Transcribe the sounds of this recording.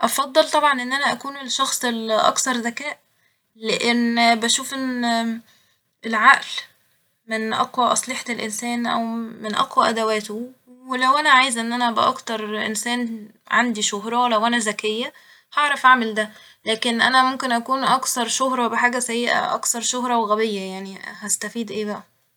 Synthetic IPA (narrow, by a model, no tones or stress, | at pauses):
ʔɑfɑd̪ˤːelt̪ˤɑbʕɑnʔenːʔænæʔækuːnelʃːɑxsˤelʔɑ̰kt̪ɑɾˤzækæːʔ | leʔenːbæʃuːfʔenː | ʔelʕaʔl | menʔɑ̰qwæʔɑsˤleħt̪elʔḛnsæːnʔæ̰wmenʔɑ̰qwæʔæd̪æwæːt̪owelæwʔænæʕaːjezʔenːʔænæbeʔɑ̰kt̪ɑɾˤʔḛnsæːnʕand̪iʃoɦɾˤɑwlæwʔænæzækejːæ | hɑʕɾˤɑfʔaʕmeld̪æ | læːkenʔænæmomkenʔækuːnʔɑkθɑɾˤʃohɾˤɑbeħaːɡæsæjːeʔæ̰ʔɑ̰kθɑɾˤʃohɾˤɑweɣæbejːæjaʕnihæst̪æfiːd̪ʔeːbæʔæ